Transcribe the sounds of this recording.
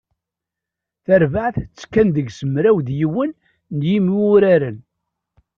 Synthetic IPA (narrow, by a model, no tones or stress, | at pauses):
θəɾvaʕθt͡sːkːænðəɡsəmɾæwðjiwənː | jimiʊɾæɾən